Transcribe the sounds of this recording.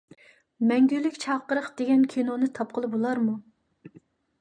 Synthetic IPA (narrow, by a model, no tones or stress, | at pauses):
mɛŋɡʲylːykʲt͡ʃʰɑqːəɾəχd̪̥eɡʲɛnkʲʰinonɨt̪ʰɑp̚qʰəlˠɨbolˠɑɾmu